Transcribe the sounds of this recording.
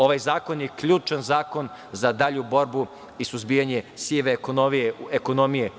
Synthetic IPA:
o̞ʋajzaːko̞njekʎuːt͡ʃanzaːko̞n | zad̪aʎubo̞ɾbu | isuzbijaɲe̞sieʋekonomijeeko̞nomije

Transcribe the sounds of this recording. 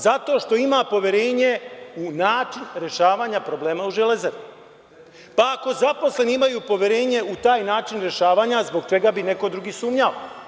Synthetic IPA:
zat̪o̞ːʃt̪o̞imapo̞ʋje̞ɾe̞ːɲeunaːt͡ʃinɾe̞ʃaːʋaːɲapɾo̞ble̞ːmauʒelezeɾ | paako̞zapo̞slˠe̞niimajuːpo̞ʋje̞ɾe̞ːɲe̞ut̪aːjnaːt͡ʃinɾeʃaːʋaːɲazbo̞ɡt͡ʃe̞ɡabine̞ko̞d̪ɾuɡiːsuːmɲao

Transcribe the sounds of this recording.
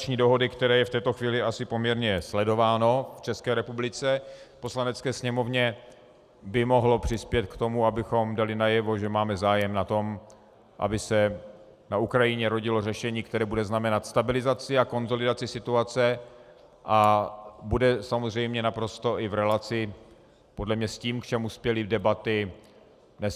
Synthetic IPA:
t͡ʃɲiːdoɦo̞dɪkt̪ɛɾɛːjɛft̪ɛːt̪oxviːlɪasɪpo̞mɲɛɾɲɛslɛdo̞vaːno̞ft͡ʃɛskɛːɾɛpublɪt͡sɛpo̞slanɛt͡skɛːsɲɛmo̞vɲɛ | bɪmo̞ɦlo̞pr̝̥ɪspjɛt̪kt̪o̞muabɪxo̞mdalɪnajɛvo̞ʒɛmaːmɛzaːjɛmnat̪o̞m | ʔa̰bɪsɛ | naukɾajɪɲɛɾo̞ɟɪlo̞rɛʃɛɲiːk̚t̪ɛɾɛːbudɛznamɛnat̪st̪abɪlɪzat͡sɪako̞nzo̞lɪdat͡sɪsɪt̪uat͡sɛ | ʔabudɛsamozr̝ɛjmɲɛnapɾo̞st̪o̞ʔɪvɾɛlat͡sɪ | po̞dlɛmɲɛsciːmkt͡ʃɛmuspjɛlidɛbat̪ɪ | nɛs

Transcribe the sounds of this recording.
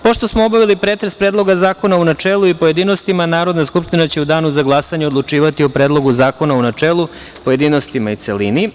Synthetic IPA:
po̞ʃt̪osmoobaʋilipɾet̪ɾespɾed̪lˠo̞ɡazaːko̞naunat͡ʃeːlˠuipoje̞d̪ino̞st̪imanaːɾo̞d̪naskupʃt̪inat͡ɕe̞ud̪aːnuzaɡlˠasaɲeo̞d̪lˠut͡ʂiːʋat̪iopɾeːd̪lˠo̞ɡuzaːko̞naunat͡ʃeːlˠu | poje̞d̪ino̞st̪imait̪selini

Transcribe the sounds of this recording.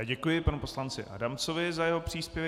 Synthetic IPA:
aːɟɛkujɪpanupo̞slant͡sɪ̰ʔa̰damt͡sovɪzajɛɦopr̝̥iːspjɛvɛ

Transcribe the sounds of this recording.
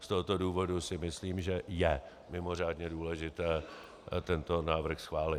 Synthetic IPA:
st̪oɦot̪o̞duːvo̞dusɪmɪsliːmʒɛjɛ | mɪmo̞r̝aːdɲɛduːlɛʒɪt̪ɛː | t̪ɛnt̪o̞naːvr̩xsxvaːlɪt̪

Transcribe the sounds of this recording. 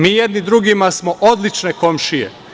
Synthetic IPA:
miːjed̪nid̪ɾuɡimasmo̞ʔod̪lit͡ʃne̞ko̞mʃijḛ

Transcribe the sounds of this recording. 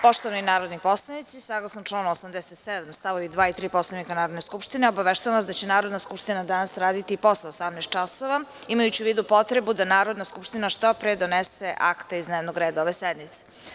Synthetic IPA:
po̞ʃt̪oʋaninaːɾo̞d̪nipo̞slˠanit̪sisaɡlˠasanʈ͡ʂlˠaːnosamd̪eset̪sed̪amst̪aʋoʋid̪ʋaːit̪ɾiːposlˠanikanaːɾod̪neskupʂt̪ineobaʋeʃt̪ujamʋasd̪at͡ɕenaːɾo̞d̪naskupʃt̪inad̪anasɾaːd̪it̪iːpo̞saosamnaeːst̪t͡ʃasoʋaimajut͡ɕiuʋiːd̪upo̞t̪ɾe̞bud̪anaːɾo̞d̪naskupʂt̪inaʃt̪opɾeːd̪oneseʔakt̪eizneːʋnoɡɾeːd̪aoʋesed̪mit̪se

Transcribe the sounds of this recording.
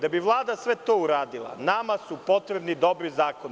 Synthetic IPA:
d̪abiʋlˠaːd̪asʋet̪o̞ːuɾaːd̪ilˠa̰namasupo̞t̪ɾebnid̪o̞bɾizaːkon

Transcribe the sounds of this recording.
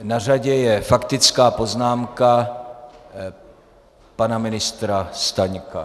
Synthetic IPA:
nar̝aɟɛjɛfakt̪ɪt͡skaːpo̞znaːmka | panamɪnɪst̪ɾast̪aɲka̰

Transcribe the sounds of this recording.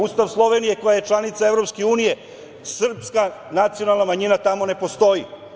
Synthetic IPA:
ust̪aʋslˠo̞ʋe̞nije̞ko̞jaje̞t͡ʃlˠanit̪saevɾo̞pske̞uːnije̞ | sr̩pskanat̪sijo̞nalˠnamaɲinat̪amo̞ne̞po̞st̪o̞ji

